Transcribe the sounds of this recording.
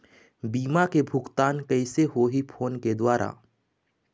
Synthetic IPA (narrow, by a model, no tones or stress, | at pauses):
biːmakebʱʊɡt̪aːnkɐɪseɦoɦipʰoːnked̪waːɾʔa̰ː